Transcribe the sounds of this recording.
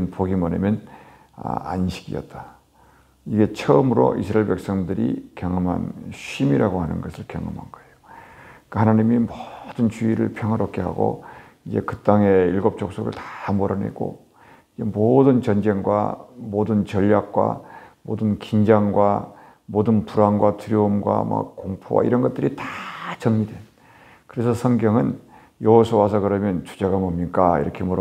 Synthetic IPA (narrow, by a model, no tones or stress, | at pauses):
npoɡimʌnemjʌn | a̰a̰nɕʰi̥ɡiʌ̰t̚t͈a | iɡe̞t͡ɕʰʌmɯɾo̰ʔḭsʰɾaeɭpek̚s͈ʌŋdɯɾḭkjʌŋɯma̰nɕimiɾaɡohanɯnɡʌsʰɯɭkjʌŋʌ̰ma̰nɡʌejo̥k͈ahanaɲimimod̥ɯnt͡ɕuiɾɯɭpʰjʌŋɦʌɾʌk͈ʰeɦa̰ɡo̰ | id͡ʑe̞̰kɯt͈aŋeilɡop̚t͡ɕ͈ok̚s͈oɡɯ̰ɭtḁmoɾʌnḛɡo̰ | id͡ʑe̞modɯnt͡ɕʌnd͡ʑe̞ŋɡwa̰modɯnt͡ɕʌʎːak̚k͈wa̰modɯnkind͡ʑaŋɡwa | modɯnpuɾanɡwatuɾjoumɡwa̰ma̰kkoŋpʰo̰wa̰iɾʌnɡʌt͈̚ɯɾitat͡ɕʌŋɲidwe̞n | kɯɾe̞sʰʌsʰʌŋɡjʌŋɯn | jʌwʌsʰʌwas̬ʰʌkɯɾʌmjʌnt͡ɕu̥d͡ʑeɡamʌmɲik͈aḭɾʌkʰemuɾ